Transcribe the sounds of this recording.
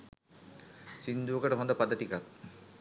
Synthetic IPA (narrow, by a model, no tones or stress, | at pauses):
sind̪uokaʈeɦɔnd̪apad̪aʈikat̪